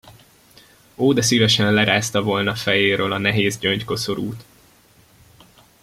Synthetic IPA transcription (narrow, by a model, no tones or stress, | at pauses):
oːd̪ɛsivɛʃɛnlɛɾaːst̪ɒvo̞lnɒfɛjeːɾøːlɒnɛɦeːzɟøɲcko̞soɾuːt̪